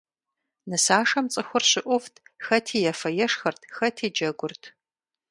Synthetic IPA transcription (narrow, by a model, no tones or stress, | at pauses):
nɨsaːʂɐmt͡sʼɨxʷʊrɕɪʔʷʊftʰxɐtʰiːjɐfɐjɛʂxɐrtʰxɐtʰiːd͡ʒɐɡʷʊrtʰ